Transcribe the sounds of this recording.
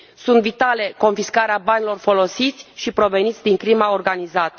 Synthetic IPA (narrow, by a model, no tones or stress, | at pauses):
sunt̪vit̪ale̞ko̞nfiskaɾeabanilo̞rfo̞lo̞sit̪sʲʃipɾo̞ve̞nit̪sʲd̪iŋkɾimaorɡanizat̪ə